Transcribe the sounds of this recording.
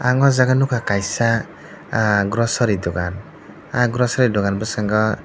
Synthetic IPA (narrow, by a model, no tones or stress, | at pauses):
aŋɔzaɡanukʰakajsa | ɡɾɔsɔɾidɔɡan | aɡɾɔsɔɾidɔɡanbɔsaŋɡɔ